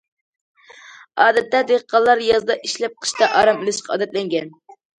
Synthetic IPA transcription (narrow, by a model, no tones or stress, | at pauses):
ɑːd̪ɛt̪ːɛd̪eʁqʰːɑlˠːɑɾjɑzd̪ɑʔiʃlɛp̚qʰə̥ʃt̪ɑʔɑːɾɑmɪlɨʃqʰɑɑ̰ːd̪ɛt̪lɛŋɡʲɛn